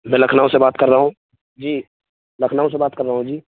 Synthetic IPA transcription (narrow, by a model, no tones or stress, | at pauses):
mɛ̃lɐkʰnaːõsebaːt̪kɐɾːaɦõː | d͡ʒiː | lɐkʰnaːõs̬ebaːt̪̚kɐɾːəɦũd͡ʒiː